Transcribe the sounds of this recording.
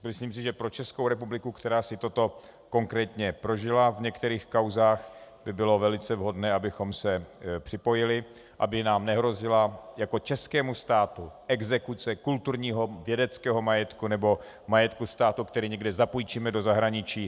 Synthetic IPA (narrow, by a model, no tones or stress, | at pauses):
mɪsliːms̬ɪʒɛpɾo̞t͡ʃɛskowɾɛpublɪkukt̪ɛɾaːsɪt̪o̞t̪o̞ | ko̞ŋkɾɛːt̪ɲɛpɾo̞ʒɪlavɲɛkt̪ɛɾiːxkawzaːxbɪbɪlo̞vɛlɪt͡sɛvɦo̞dnɛːabɪxo̞msɛpr̝̥ɪpo̞jɪlɪ | ʔa̰bɪnaːmnɛɦɾo̞zɪlajako̞t͡ʃɛskɛːmust̪aːt̪uʔɛɡzɛkut͡sɛkult̪uɾɲiːɦo̞vjɛdɛt͡skɛːɦo̞majɛt̪kunɛbo̞ | majɛt̪kust̪aːt̪ukt̪ɛɾiːɲɛɡdɛzapujt͡ʃiːmɛdo̞zaɦɾaɲɪt͡ʃiː